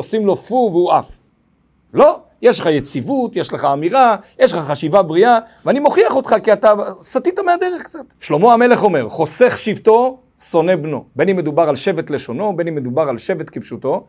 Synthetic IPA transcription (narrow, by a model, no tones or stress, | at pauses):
osimlo̞fuveuaf | lo̞ | jeʃleχajet͡sivut̪jeʃleχaːmiʁajeʃlχaχaʃivabʁiaveanimoχiaχot̪χakiat̪asat̪it̪amead̪eʁeχkt͡sat̪ʃlo̞mo̞ame̞le̞χo̞me̞ʁχo̞seχʃivt̪o̞ | so̞ne̞bno̞benime̞d̪ubaʁalʃe̞vet̪le̞ʃo̞no̞be̞nimed̪ubaʁalʃevet̪kibʃuto̞